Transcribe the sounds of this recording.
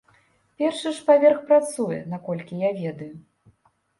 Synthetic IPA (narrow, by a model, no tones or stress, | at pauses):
pʲɛrʂɨʂpavʲɛrxpɾat̪sujɛ̰nakɔlʲkʲijavʲɛd̪ɐju